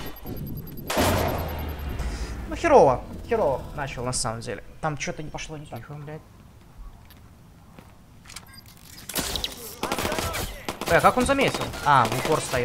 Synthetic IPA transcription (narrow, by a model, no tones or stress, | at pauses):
nuxʲɪɾovəxʲɪɾovənat͡ɕɪlˠnɐsaməmdʲḛlʲɪ̰t̪amt͡ɕo̞t̪ənʲɪpɐʂlˠo̞nʲɪt̪anʲɪfɐmlʲætʲ | kako̞nzɐmʲetʲɪlˠaʊɡorst̪ɐji